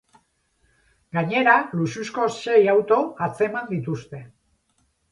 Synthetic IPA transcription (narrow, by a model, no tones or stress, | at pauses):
ɡaɲe̞ɾalususko̞sːe̞jawt̪o̞at͡se̞mand̪it̪ust̪e̞